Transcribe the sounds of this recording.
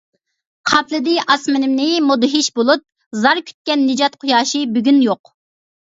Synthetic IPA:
qʰɑpʰlˠɨd̪ɪʔɑsmɪnɪmnɪmod̪ɨɦiʃbolˠup̚ | zɑɾkʲʰy̥t̪̚kʲɛnːɨd͡ʒɑt̪qʰojɑːʃibyɡʲynjoq

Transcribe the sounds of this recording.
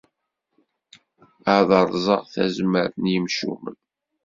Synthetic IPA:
əʕðəɾˤzˤə̰ʁθæ̰zməɾənjəmʃṵmə̰n

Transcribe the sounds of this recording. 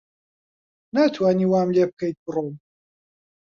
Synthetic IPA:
naːt̪ʰwaːniwaːmleb̚kɐjt̪̚bɨrom

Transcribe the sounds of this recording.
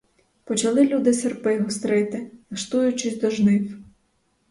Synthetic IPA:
pɔt͡ʃɐlˠɪlʲud̪ɪsɪrpɪɦɔst̪ɾɪt̪ɪnɐʃt̪ujʊt͡ʃɪsʲd̪ɔʒnɪw

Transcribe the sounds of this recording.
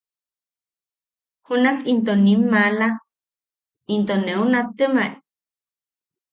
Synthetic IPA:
hunakint̪onimːala | int̪oneunat̪emai

